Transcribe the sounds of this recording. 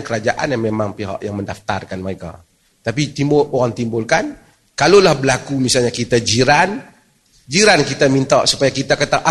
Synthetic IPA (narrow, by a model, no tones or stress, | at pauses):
nkəɾad͡ʒaʔa̰namemaŋpiɦa̰ʔjaŋməndaft̪a̰rkanməɾeka̰ | t̪apit̪imbʊloɾaŋt̪imbʊlkan | kalolahbəlakumisalɲakit̪ad͡ʒiɾan | d͡ʒiɾankit̪amint̪a̰ʔsu̥pajakit̪akat̪aʔa